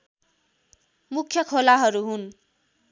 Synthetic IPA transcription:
mukʰjʌkʰolaɦʌɾuɦun

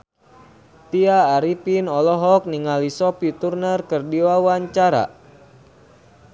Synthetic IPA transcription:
t̪iaːɾipinɔlɔɦɔk̚niŋalisɔpit̪urnərkərdiwawaɲt͡ʃaɾa̰

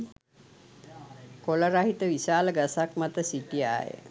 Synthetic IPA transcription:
koləɾaɦit̪əʋisaːləɡasakmat̪əsiʈija̰ːjə̰

